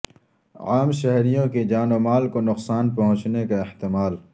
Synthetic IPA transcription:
aːmʃɛɦɾijõked͡ʒaːnomaːlkonʊqsaːnpɐɦʊ̃t͡ʃnekaɪht̪ɪmaːl

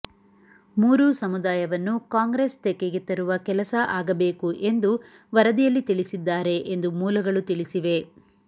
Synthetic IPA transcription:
muːɾusɐmud̪aːjɐʋɐnːukaːŋɡɾest̪ekːeɡet̪ːɐɾuʋɐkɛlɐsɐʔaːɡɐbe̞ːkuʔe̞nd̪u | ʋɐɾɐd̪ijɐlːit̪iɭisid̪ːaːɾe̞ʔend̪umuːlɐɡɐɭut̪iɭisiʋe̞

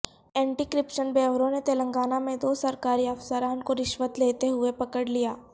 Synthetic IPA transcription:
ɛ̃ːɳʈikɾɪpʃənbɛːʋɾõnet̪eːlə̃ŋɡaːnamẽd̪oːsɐɾkaːɾiɐfsəɾaːnkoɾɪʃʋət̪leːt̪eɦʊepɐkəɽlijaː

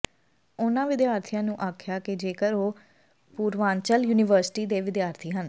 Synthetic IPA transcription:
ʊnãːʋɪd̪jaːɾt̪ʰijãːnũːʔaːkʰɪjaːkɪd͡ʒeːkəɾoː | puːɾʋaːnt͡ʃəljuːnɪʋəɾsɪ̥ʈiːd̪eːʋɪd̪jaːɾt̪ʰiːɦən

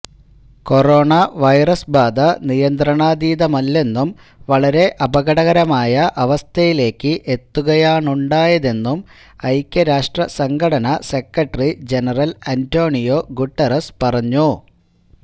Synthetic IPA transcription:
ko̞ro̞ːɳɐʋɐjrɐsbaːd̪ɐnijɐnd̪ɾɐɳaːd̪iːðɐmɐlːe̞nːum | ʋɐɭɐɾe̞ʔɐbɐɣɐɽɐɣɐɾɐmaːjɐʔɐʋɐst̪ʰɐjile̞ːkːɨʔe̞t̪ːuɣɐjaːɳuɳɖaːjɐðe̞nːum | ɐjkʲːɐɾaːʂʈrɐsɐŋkʰɐɽɐnɐse̞kːɐʈrid͡ʑe̞nɐrɐlɐnto̞ːɳijo̞ɡuʈːɐrɐspɐrɐɲːu

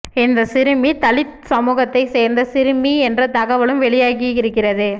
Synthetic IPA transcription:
ɪnd̪ɐsɪɾɯmit̪ɐɭɪt̪ | sɐmuːɣɐt̪ːɐɪseːɾnd̪ɐsɪɾɯmiɛndrɐt̪ɐɣɐʋɐɭɯmʋɛɭɪjaːɣɪɪɾɯkːɪrɐðɯ

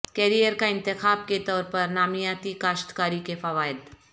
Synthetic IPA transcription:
kɛːɾijəɾkaɪ̃nt̪ɪxaːb̚ket̪ɔːɾpɐɾnaːmijaːt̪ikaːʃt̪kaːɾikefɐʋaːɪd̪

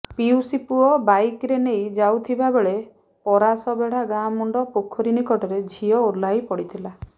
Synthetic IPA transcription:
piwusipuɔbajkɾenejd͡ʒawt̪ʰibabeɭe | pɔɾasɔbeɽ̤aɡamɔɳɖɔpokʰɔɾinikɔʈɔɾed͡ʒʱiɔoɾlajpɔɽit̪ʰila

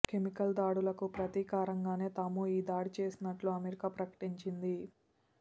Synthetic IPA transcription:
kemikɐld̪aːɽulɐkupɾɐt̪iːkaːɾɐŋɡaːne̞ːt̪aːmuiːd̪aːɽit͡ʃe̞ːsinɐʈluɐmeɾikaːpɾɐkɐ̥ʈiɲt͡ʃind̪i

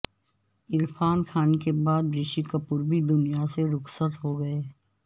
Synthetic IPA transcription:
ɪɾfʰaːnkʰaːnkebaːd̪̚bɾɪʃikɐpuːɾbʱid̪ʊnijaseɾʊksət̪ɦoɡɐeː

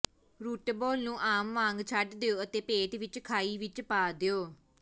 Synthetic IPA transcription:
ɾuːʈboːlnũːʔaːmʋãːŋɡt͡ʃʰaɖd̪eoːət̪eːpeːʈʋɪt͡ʃkʰaːiːʋɪt͡ʃpaːd̪eoː

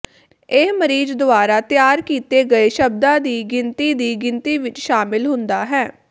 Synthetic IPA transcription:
eɦməɾiːd͡ʒd̪ʊaːɾaːt̪jaːɾkiːt̪eːɡəeːʃəb̚d̪ãːd̪iːɡɪnt̪iːd̪iːɡɪnt̪iːʋɪt͡ʃʃaːmɪlɦʊ̃nd̪aːɦɛː

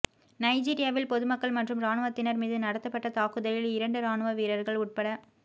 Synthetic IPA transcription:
nɐɪd͡ʒiːɾɪjaːʋɪlpɔðɯmɐkːɐɭmɐʈrɯmɾaːnɯʋɐt̪ːɪnɐɾmiːðɯnɐɽɐt̪ːɐpːɐʈːɐt̪aːkɯðɐlɪlɪɾɐɳɖɯɾaːnɯʋɐʋiːɾɐɾɣɐɭʊʈ̚pɐɽɐ

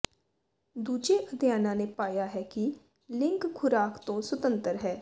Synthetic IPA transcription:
d̪uːd͡ʒeʔəd̪ʱjaːnãːnepaːjaɦɛːki | lɪ̃ŋkkʰʊɾaːkt̪õswət̪ə̃nt̪əɾɦɛː

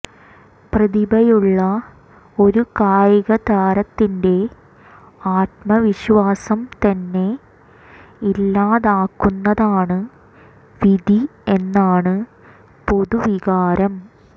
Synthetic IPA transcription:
prɐðibɐjuɭːɐ | o̞ɾukaːjiɣɐt̪aːɾɐt̪ːinde̞ | aːt̪̚mɐʋiɕʋaːsɐmt̪ɐnːe̞ | ilːaːðaːkːunːɐðaːɳɨ | ʋid̪ʱie̞nːaːɳɨ | po̞ðuʋiɣaːɾɐm

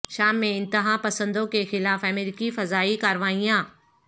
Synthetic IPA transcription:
ʃaːmːẽɪ̃nt̪ɪɦaːpɐsə̃nd̪õkexɪlaːfɐmeːɾikifɐzaːikaːɾʋaːijãː

